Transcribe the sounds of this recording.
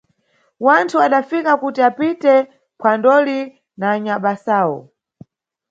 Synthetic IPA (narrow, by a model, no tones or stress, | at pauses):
wantʰuaɗafikakutiapitɛ | pʰwandɔli | naːɲaɓasaːwɔ̰